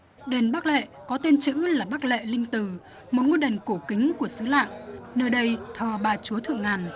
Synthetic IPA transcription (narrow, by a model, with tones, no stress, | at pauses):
ɗe˨˩nɓa˦˥k̚lḛ˧˨ | kɔ˨˦t̪e˧nt͡ɕɨ̰˧˥laː˨˩ɓa˦˥k̚lḛ˧˨lï˧ŋ̟t̪ɨ˨˩ | mo˨˩t̚ŋwi˧jɗə˨˩nko˧˩kï˨˦ŋ̟ku˧˩əsɨ˨˦la̰ː˧˨ŋnəː˧jɗə˧jt̪ʰəː˨˩ɓaː˨˩t͡ɕu˨˦ət̪ʰɨ̰˧˨əŋːaː˨˩n